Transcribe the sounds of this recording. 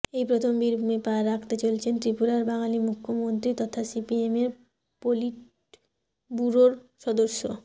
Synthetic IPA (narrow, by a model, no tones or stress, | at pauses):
ejpɾot̪ʰombiɾbʱumepaɾːakʰt̪et͡ɕolt͡ɕʰent̪ɾipuɾaɾbaŋalimukʰːomont̪ɾit̪ɔt̪ʰasipiemeɾ | poliʈ | buɾoɾʃɔd̪oɾʃːo